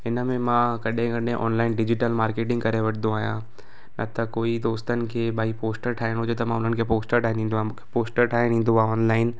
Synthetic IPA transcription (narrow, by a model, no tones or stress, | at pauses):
ɪnəmẽmãkɐɗẽɡɐ̃ɗẽʔɔ̰ːnlaːɪnɖɪd͡ʑɪʈəlmaːɾkeːʈ̬ɪ̃ŋɡkɐɾeʋɐʈʰənd̪õaːɦijã̰ | nɐt̪ɐkoːid̪oːst̪ənɪ̆kʰeːɓaːɦipoːsʈəɾʈʰaːɪɽ̃ɦʊd͡ʑot̪ɐmãʊn̤ənɪ̆kʰeːpoːsʈəɾʈʰaːɪ̃nĩnd̪oãmkʰepoːsʈəɾʈʰaːẽĩːn̆d̪oaɔːnlaːɪn